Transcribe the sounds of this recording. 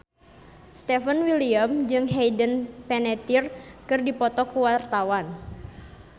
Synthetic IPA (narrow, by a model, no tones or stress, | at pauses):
st̪ɛfənwiliamd͡ʒɨŋɦejdənpɛnɛt̪irkɨrdipɔt̪ɔkuwart̪awan